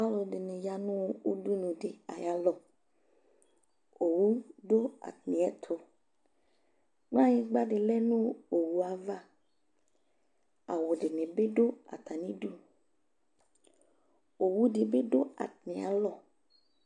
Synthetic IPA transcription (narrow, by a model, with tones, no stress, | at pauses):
pa˦lo˨de˨nẽ˨ja˦nũ˦wu˦du˦nũ˨de˨a̰˨ja˨lɔ˨ | o˨wu˦ɖo˦a̰˨tnĩ˨ɛ˦t̪ʰo˨ | k͡pã˦ɲẽ˦ɡ͡ba˦ɖe˨lɛ˦nũ˦o˨wu˨a˨va˦ | a˨wo˨ɖe˨nẽ˨be˦ɖo˦a̰˨t̪ʰa˨nĩ˦du˦ | o˨wu˦de˨be˦ɖo˦a̰˨tnĩ˨a̰˨˦lɔ˦˨